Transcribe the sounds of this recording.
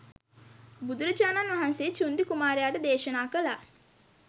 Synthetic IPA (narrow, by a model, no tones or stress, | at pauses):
bud̪uɾəd͡ʒaːnanʋaɦanseːt͡ʃund̪ikumaːɾejaːʈəd̪eːʃɐnaːkəlaː